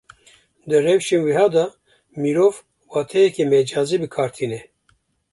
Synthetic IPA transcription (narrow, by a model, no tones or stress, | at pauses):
d̪ɨrɛwʃenwiɦɑːd̪ɑ | miɾoːv | wɑːt̪ʰɛjɛkemɛd͡ʒɑːziːbɨkʰɑːɾt̪ʰinɛ